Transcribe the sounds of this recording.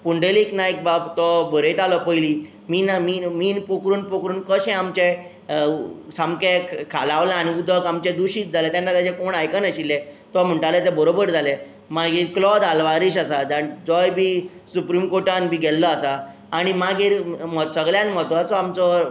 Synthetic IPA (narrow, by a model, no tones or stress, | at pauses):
puɳɖeliknaek̚babt̪ɔbəɾəjt̪alɔpəjliː | miːnamiːmiːnpokɾuːnpokɾuːnkəɕɛ̃amt͡ɕe | samkekʰalaʋlãːɽ̃iud̪ʱəkamt͡ɕed̪uɕiːt͡sd͡zʱalet̪janːat̪ad͡ʑekoɳajkənəɕilːẽt̪ɔm̤əɳʈalet̪ɛbəɾobəɾd͡zʱale | maɡiːɾklɔd̪alʋaɾiɕasad͡zad͡zɔjbiː | supɾimkoʈanbiːɡɛlːɔasaː | ɽ̃imaɡiːɾmɔt̪səɡljanmɔt̪ʋat͡sɔamt͡sɔ